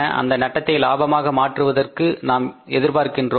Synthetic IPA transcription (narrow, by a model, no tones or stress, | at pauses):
ɐʔɐ̰nd̪ɐnɐʈːɐt̪ːɐɪlaːbɐmaːɣɐmaːʈrɯʋɐðɐrkɯnaːmɛðɪɾpaːɾkɪndroː